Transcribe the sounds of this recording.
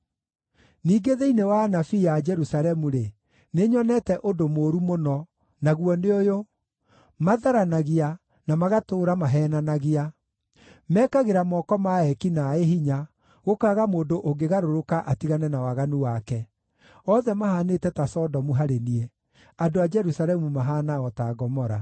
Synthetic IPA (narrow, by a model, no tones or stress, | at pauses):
niːɡeðeinewanafijad͡ʒɛɾusalɛmuɾe | neɲɔnɛtɛʔodomoːɾumonɔ | naɣwɔneojo | maðaɾanaɣia | namaɣatoːɾamaɦɛːnanaɣia | mɛkaɣeɾamɔkɔmaɛkinaeɦiɲa | ɣokaɣamoːndoʔoŋɡeɣaɾoɾokaʔatiɣanɛnawaɣanuwakɛ | ɔðɛmahaːnetɛtasɔdɔmuɦaɾeniɛ | andoad͡ʒɛɾusaɾɛmumaɦaːnaɔtaɡɔmɔɾa̰